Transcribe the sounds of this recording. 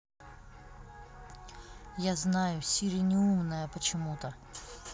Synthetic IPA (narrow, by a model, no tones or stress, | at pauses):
jaznajʊsʲiɾʲɪnʲɪumnəjəpət͡ɕɪmut̪ə